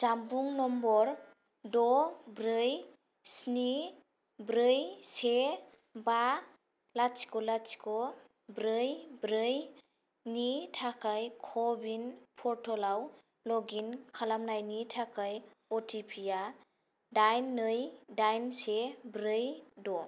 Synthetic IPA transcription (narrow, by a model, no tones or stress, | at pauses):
zambuŋnɔmbɔɾ | dɔbɾɯj | sni | bɾɯjse | ba | lat͡ʃi̥kɔlat͡ʃi̥kɔ | bɾɯjbɾɯj | nitʰakʰajkʰɔbinpʰɔɾtʰɔlaw | lɔɡinkʰalamnajnitʰakʰajɔtʰipʰija | dajnːɯjdajnsebɾɯjdɔ